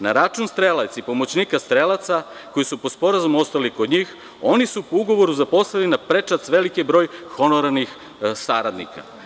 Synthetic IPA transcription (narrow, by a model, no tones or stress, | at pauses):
naɾat͡ʃunst̪ɾelˠat̪sipo̞mot͡ɕniːkast̪ɾelˠat̪sa | ko̞jisupospo̞ɾazumo̞st̪aliko̞d̪ɲiːx | o̞nisupouɡo̞ʋo̞ɾuzapo̞slˠalinapɾet͡ʃat̪sʋe̞likibɾo̞ːjxo̞noɾanix | saɾad̪nḭka̰